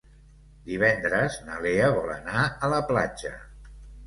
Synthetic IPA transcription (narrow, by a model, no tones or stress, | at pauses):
d̪iβ̞ɛnd̪ɾəznəleəβɔlə̰naələpla̰d͡ʒə̰